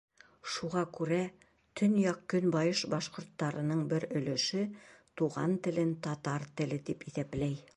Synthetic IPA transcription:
ʃuʁɑkʉɾæ | t̪ʰɵnjɑqkːɵnbɑjɤʃbɑʃqŏɾt̪ːɑɾɤ̆nɤɴbɘɾɵ̆lɵ̆ʃɘt̪uʁɑnt̪ɘ̆lɘnt̪ɒt̪ɑɾt̪ɘ̆lɘt̪ipiθæplæj

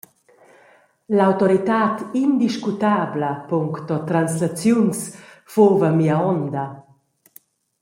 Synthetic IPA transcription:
lawt̪ɔɾit̪aːt̪ind̪iʃkut̪aːbləpuŋkt̪ɔt̪ɾanslat͡sjuns | fovamiaɔnd̪ɐ

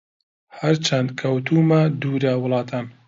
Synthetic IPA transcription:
hɐɾt͡ʃʰɐnd̪̚kʰɐwt̪ʰuːmad̪uːɾawʊlˠɑːt̪ʰaːn

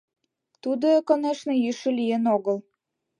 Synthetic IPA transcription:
t̪ud̪okoneʃnə̆jyʃə̆lijenoɣəl

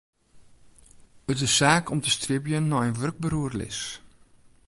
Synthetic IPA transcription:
ətɪsːaːkʰɔmtəstrɪbjənːɔjənʋørɡ̚bəɾuərlɪ̰s

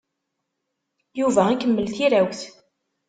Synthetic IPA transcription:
juvæækːəmːəlθiɾæwθ

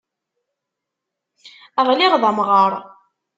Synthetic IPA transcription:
əʁliʁðˤəmʁəɾˤ

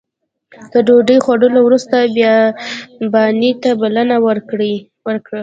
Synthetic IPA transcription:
k̪əɖoɖəjxwaɽəlowɾust̪abj | bɑnit̪abalənawəɽ | wəɾkɽa

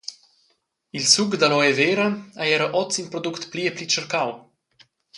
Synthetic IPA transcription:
ilsuɡd̪alɔeveːɾaajɛɾəʔɔt͡sinpɾod̪ukt̪plieplit͡ʃəɾkaw

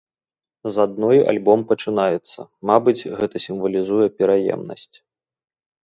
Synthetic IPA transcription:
zad̪̚nɔja̰lʲbɔmpɐt͡ʂɨnajɛt̪sːɐ̰mabɨd͡zʲɣɛt̪ɐsʲimvɐlʲizujɛpʲɛɾajɛ̰mnɐ̰sʲt͡sʲ

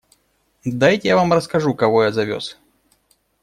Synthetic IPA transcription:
d̪ajtʲjavamrəskɐʐukɐvojazɐvʲo̰s

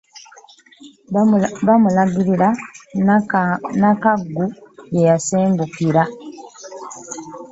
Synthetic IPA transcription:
βamulaɡiɾiɾa | nakaɡːujejaseːmɡukiɾa

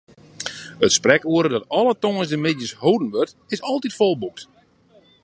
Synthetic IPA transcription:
ətsprɛkuəɾədɔtɔlˠətoŋəsdəmɪdjəshowdən̩ʋørt | ɪsɔlˠtitfolˠbuk̚t

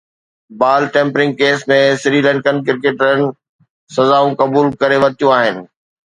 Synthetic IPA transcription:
baːlʈẽːmpɾɪ̃ŋɡ̚keːsmẽsɪɾiːlə̃ɳʈkənkɪɾkeːʈənɪ̆ | sɐzaːũkɐbuːlkɐɾeʋɐt̪ijũaːɦɪnɪ̆

